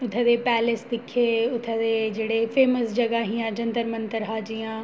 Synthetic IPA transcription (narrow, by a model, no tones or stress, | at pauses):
ʊt̪ʰẽd̪epɛːlɪsd̪ɪkʰeʊt̪ʰẽd̪ed͡ʒeːɽefeːməsd͡ʒɐɡaɦijãd͡ʒɐ̃nd̪əɾmɐ̃nt̪əɾɦaːd͡ʒijãː